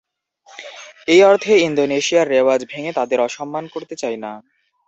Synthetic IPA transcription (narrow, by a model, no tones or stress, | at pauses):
ejɔɾt̪ʰeind̪oneʃiaɾːewad͡ʑbʱeŋet̪ad̪eɾɔʃɔmːankoɾt̪et͡ɕajna